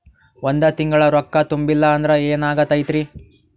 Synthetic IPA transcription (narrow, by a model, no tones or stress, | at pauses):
wond̪ɐt̪iŋɡɐɭɐɾɔkːɐt̪umbilːɐːnd̪ɐɾɐeːnaːɡɐt̪ːɐjt̪ɾi